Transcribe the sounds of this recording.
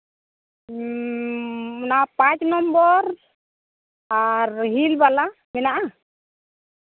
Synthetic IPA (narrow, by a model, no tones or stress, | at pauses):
napat͡ʃnɔmbɔɾ | aɾɦilbala | mɛnaʔa